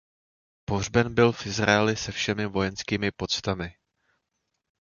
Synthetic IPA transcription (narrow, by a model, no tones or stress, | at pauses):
po̞r̝bɛnbɪlfʔɪzɾa̰ɛlɪsɛfʃɛmɪvo̞jɛnskiːmɪpo̞t͡st̪amɪ